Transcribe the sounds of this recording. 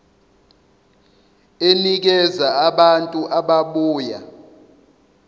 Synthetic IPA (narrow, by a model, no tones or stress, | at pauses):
enik̬ɛzaaɓantʼuʔaɓaɓuːja